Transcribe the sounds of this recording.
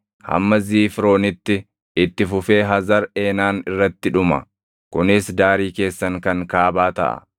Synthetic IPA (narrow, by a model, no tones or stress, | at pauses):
hɐ̰mːɐziːfɾo̞ːnɪt̪ːɪ | ɪt̪ːɪfʊfe̞ːɦɐzɐɾe̞ːnaːnɪrːɐt̪ːɪᶑʊmɐ̰ | kʊnɪsd̪aːɾiːke̞ːsːɐŋkɐŋkaːbaːt̪ɐ̰ʔɐ̰